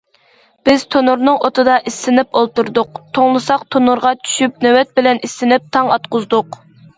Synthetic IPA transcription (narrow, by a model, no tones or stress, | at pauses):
b̥ɪz̥t̪ʰonuɾnɨŋot̪ɨd̪ɑʔisːɪnɪpolˠt̪uɾd̪ʊqt̪ʰoŋlˠɨsɑqt̪ʰonuɾʁɑt͡ʃʰy̥ʃyp̚nøwɛt̪̚bɪlɛnisːɪnɪp̚t̪ʰɑŋɑt̪̚qʊzd̪ʊq